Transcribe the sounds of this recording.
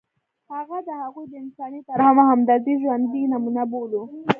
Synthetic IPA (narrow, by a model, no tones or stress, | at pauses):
haɣad̪əhaɣujd̪əɪnsɑnit̪aɾhamaɦamd̪ɑziʒwand̪inamunabolu